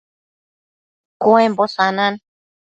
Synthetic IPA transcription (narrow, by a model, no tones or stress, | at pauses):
koembosanan